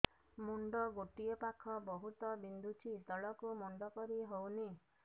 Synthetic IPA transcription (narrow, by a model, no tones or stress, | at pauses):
muɳɖɔɡoʈiepakʰɔbɔɦut̪ɔbind̪ʱut͡ʃʰit̪ɔɭɔkumuɳɖɔkɔɾiɦowni